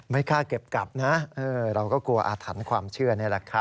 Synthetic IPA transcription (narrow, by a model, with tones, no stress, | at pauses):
ma˥˩jkʰaː˥˩ke˨˩p̚ka˨˩p̚na˦˥ʔɤː˧ɾa˧wkɔː˥˩ku˧ɐʔaː˧t̪ʰa˩˦nkʰwaː˧mt͡ɕʰɯ˥˩ɐna˥˩la˨˩kʰa˦˥